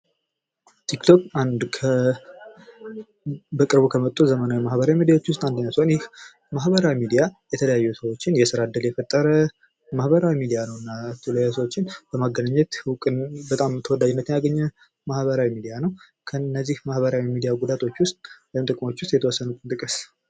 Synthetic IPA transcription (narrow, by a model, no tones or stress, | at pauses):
t̪ʰikt̪ʰo̞kand̪kʰə | bəkʼɨɾβukʰəmət̪ʼːuzəmənamahbəɾawimid̪ijawot͡ʃːwʊst̪ʼand̪əɲːawsəhonjɪh | maɦbəɾawimid̪ijajɛt̪ʰələjajːusəwo̞t͡ʃːɪnjɛsɨɾad̪ːɨljɛfət̪ʼːəɾə | mahbəɾawimid̪ijanəwɨnːat̪ʰulojasəwot͡ʃːɪnb̥əmaɡənaɲːɛt̪wkʼɨbət̪ʼamt̪ʰəwɔd̪ad͡ʒɪnːət̪jejaɡəɲːɛ | mahβəɾawimid̪ijanəw | kʰənːəzːihmahβəɾawimid̪ijaɡud̪at̪ʰo̞t͡ʃːwʊst̪ʼwɛjmt̪ʼɨkʼmo̞t͡ʃːwʊst̪jɛt̪ʰəwɔsːənuk̪ʼnt̪ʼɨkʼɨs